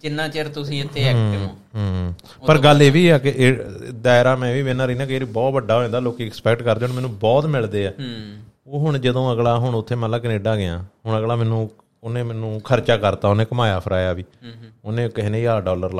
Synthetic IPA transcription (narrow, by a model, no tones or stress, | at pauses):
t͡ʃɪnːãːt͡ʃeɾt̪ʊsĩːɪt̪ʰːeːɛːkɪʋõː | ɦ | pəɾɡəlːeːʋiːɛːkɪʔd̪aːɪɾaːmɛ̃ːʋiːʋeːnãːɾəiːnaːkeːɾiːbɔːt̪ʋəɖːaːɦoːẽːnd̪aːloːkiːɛkspɛːkʈkəɾd̪eːonmɛːnũːbɔːt̪mɪld̪eːɛː | oːɦʊɳ̃d͡ʒəd̪õːəɡlaːɦʊɳʊt̪ʰːeːmət̪laːk̬ɪneːɖaːɡɪjã̰ːɦʊɳəɡlaːmɛ̃ːnũː | ʊnẽːmɛːnũːkʰəɾt͡ʃaːkəɾt̪aːonẽːkəmaːjaːpʰəɾaːjaːʋiːʊnẽːkəɦiːneːiaːɖɔːləɾla